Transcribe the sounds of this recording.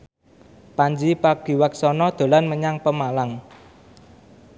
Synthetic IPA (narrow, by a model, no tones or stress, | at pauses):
paɲd͡ʒipaɡ̥i̤waksɔnɔd̪̥o̤lanməɲaŋpəmalaŋ